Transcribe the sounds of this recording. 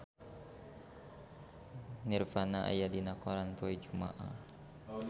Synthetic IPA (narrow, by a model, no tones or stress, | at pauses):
nirfanaʔa̰jadinakɔɾanpɔid͡ʒuma̰ʔa̰h